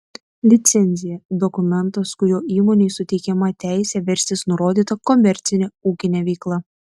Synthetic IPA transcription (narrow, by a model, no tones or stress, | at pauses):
lʲɪt̪sʲɛnʲzʲɪjɛd̪ɔkʊmʲɛnt̪ɐskʊɾʲoːiːmoːnʲeːsʊt̪ʲɛɪkʲɛmɐt̪ʲæˑɪsʲɛʋʲɛɾʲst̪ʲɪsnʊɾoːd̪ʲiːt̪ɐkɔmʲɛɾʲt̪sʲɪnʲɛuːkʲɪnʲɛʋʲɛɪklˠɐ